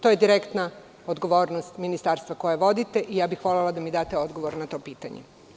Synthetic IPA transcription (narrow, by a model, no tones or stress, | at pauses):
t̪ojed̪iɾekt̪na | od̪ɡo̞ʋo̞ːɾnost̪minist̪aːɾst̪ʋako̞jaʋo̞d̪it̪eʔijaːbixʋo̞lelˠad̪amid̪aːt̪e̞o̞d̪ɡo̞ʋoɾnat̪o̞ːpiːt̪a̰ɲḛ